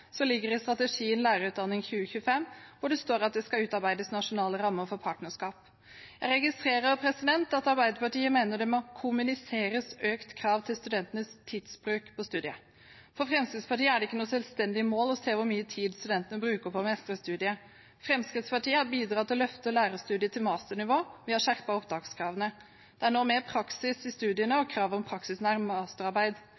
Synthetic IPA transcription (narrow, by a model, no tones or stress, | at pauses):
sɔlɪɡːəɾɪst̪ɾɑt̪əʂiːənlæːɾəʉːt̪̚d̪ɑnːɪŋçʉːəçʉəfɛmːʋʊɖɛst̪oːɾɑt̪̚d̪ɛskɑʉːt̪ɑɾbæɪd̪əsnɑʂʊnɑːləɾɑmːəfɔɾpʰɑːʈnəʂkɑːp | jæɪɾɛɡɪst̪ɾeːɾəɾpʰɾɛsɪd̪ɛnt̪ɑt̪ɑɾbæɪd̪əpɑʈiːəmeːnəɖɛmɔkʰʊmʉnɪseːɾəsøːkt̪kʰɾɑːʋt̪ʰɪlst̪ʉd̪ɛnt̪ənəst̪ʰiːd̪sbɾʉːkpʰɔst̪ʉːd̪ɪə | fɔfɾɛmskɾɪt̪spɑʈiːəæɖɛɪkːənuːsɛlst̪ɛnd̪ɪəmoːlɔseːʋʊɾmyːət̪ʰiːd̪st̪ʉd̪ɛnt̪ənəbɾʉːkəpʰɔmɛst̪əɾəst̪ʉːd̪ɪə | fɾɛmskɾɪt̪spɑʈiːəhɑɾbiːd̪ɾɑːt̪ʰɪlɔlœft̪əɔlæːɾəst̪ʉːd̪ɪət̪ʰɪlmɑːst̪əɳɪʋoːʋɪɑʂæɾpɑɔpd̪ɑːɡskʰɾɑːʋənə | d̪̥ɛæɳoːmeːɾpʰɾɑksɪsɪst̪ʉːd̪ɪənəɔkʰɾɑːʋɔmpʰɾɑksɪsnæɾmɑːst̪əɾɑɾbæɪd̪